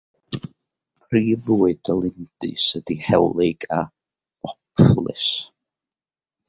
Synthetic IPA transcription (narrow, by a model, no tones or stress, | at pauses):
pʰriːvuːɨd̥əlˠɪnd̥ɨ̰səd̥ihɛ̰wlˠɪɡ̥a | ɔpʰlˠɨ̰s